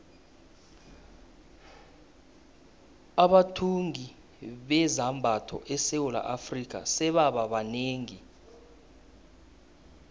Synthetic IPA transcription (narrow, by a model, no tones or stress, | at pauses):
aɓatʰuŋi | ɓɛzambʱatʰɔ̰ʔɛsɛwula̰ʔafrik̬ʼa̰sɛɓaɓaɓaneːŋi